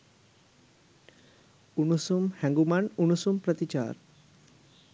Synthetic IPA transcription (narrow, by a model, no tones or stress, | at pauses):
uɳusumhɛŋɡumaɳuɳusumpɾɐt̪it͡ɕa̰ːɾ